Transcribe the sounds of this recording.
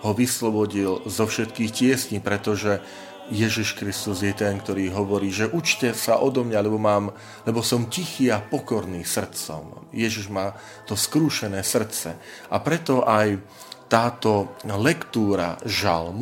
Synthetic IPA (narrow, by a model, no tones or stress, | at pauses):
ɦɔʋislɔbɔɟilzɔfʃɛt̪kiːxcɪɛsɲiːpɾɛt̪ɔʒɛ | jɛʒiʃkɾist̪uzjɛt̪ɛnkt̪ɔɾiːɦɔʋɔɾiːʒɛʔut͡ʃcɛsaʔɔd̪ɔmɲalɛbɔmaːm | lɛbɔsɔmcixiːapɔkɔɾniːsr̩t̪t͡sɔ̰m | jɛʒiʒmaː | t̪ɔskɾuːʃɛnɛːsr̩tt͡sɛ | ʔapɾɛt̪ɔʔaj | t̪aːt̪ɔlɛkt̪uːɾa̰ʒa̰lmu